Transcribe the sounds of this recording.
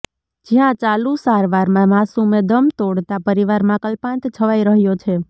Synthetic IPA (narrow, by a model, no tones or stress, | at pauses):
d͡ʒijãt͡ʃalusaɾʋaɾmãmasumẽd̪əmt̪oɽt̪apəɾiʋaɾmãkəlpãnt̪t͡ʃʰəʋaiɾəɦjot͡ʃʰe